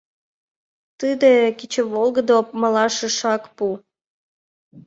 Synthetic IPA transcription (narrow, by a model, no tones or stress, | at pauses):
t̪ɨd̪ekʲit͡ɕəβolˠɡəd̪opməlˠɑʃə̆ʃɑkpu